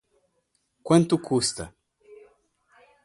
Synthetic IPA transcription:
kwɐ̃nt̪ukʰust̪ɐ̰

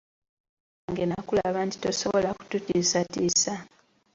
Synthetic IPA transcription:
ŋɡenakulaβaːnti̥to̞̰so̞βolaku̥tutisatisa

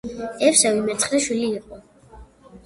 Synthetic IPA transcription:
ɛfsɛwimɛt̪sʰχɾɛʃwiliːqʼɔ

